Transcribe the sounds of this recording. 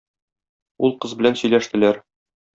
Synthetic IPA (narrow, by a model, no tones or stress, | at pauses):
ulˠqɤzbɘ̆lænsɵ̆jlæʃt̪ɘ̆læɾ